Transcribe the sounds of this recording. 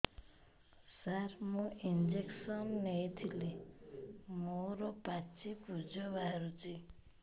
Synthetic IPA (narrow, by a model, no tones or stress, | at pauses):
saɾmũind͡ʒeksɔnːejt̪ʰili | moɾɔpat͡ʃipud͡ʒɔbaɾut͡ʃi